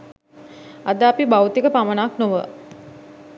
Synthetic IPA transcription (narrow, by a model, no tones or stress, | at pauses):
ad̪əapibawt̪ikəpamənaknoʋə̰